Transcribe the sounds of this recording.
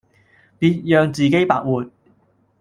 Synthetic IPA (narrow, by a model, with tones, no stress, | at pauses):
piː˧t̚jœː˨˧ŋt͡siː˨ke˥jpa̰ː˧k̚wuː˨˩t̚